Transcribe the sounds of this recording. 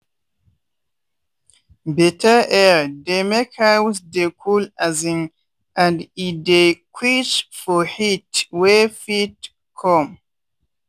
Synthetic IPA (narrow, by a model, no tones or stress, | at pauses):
bɛtʰəʔɛdemekhawsdekʰulazĩŋ | ãndidekʰwit͡ʃfɔhitwɛfit̚ | kʰɔ̃m